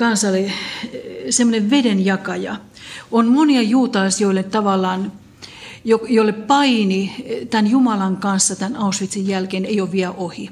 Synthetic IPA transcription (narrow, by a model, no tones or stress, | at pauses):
kɑnsɑle | semːoneʋʋedenjɑkɑjɑ̰ | onmoniɑjuːt̪ɑlisjoilːet̪ɑʋɑlːˑɑːn | jokjolːeppɑinit̪ænjumɑlɑŋkɑnsːɑt̪ænɑusʋit̪sijjælkeːneijoʋʋiælʔohi